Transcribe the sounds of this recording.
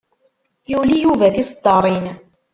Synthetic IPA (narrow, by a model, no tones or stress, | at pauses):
julijuvæt̪isd̪ˤɑɾˤiːn